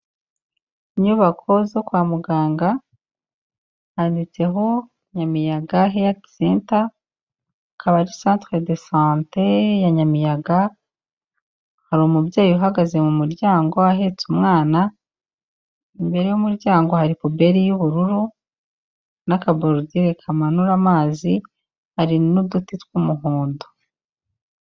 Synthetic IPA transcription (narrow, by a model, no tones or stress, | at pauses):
iɲuβakʰo̞zo̞kwaːmuɡaːŋɡa | haːndit͡se̞ɦo̞ | ɲamijaɡaɦejatisiːnta | kʰaβaɾisaːntɾedesãːntejaɲamijaɡa | haɾumubjaːjuuɦaɡaze̞mumuɾɟaːŋɡo̞aɦe̞t͡sumŋaːna | imbe̞ɾe̞jumuɾɟaːŋɡo̞haɾipobe̞ɾijuβuɾuɾu | nakaboɾodiɾekʰamanuɾamaːzi | haɾinudutitwumuɦuːndo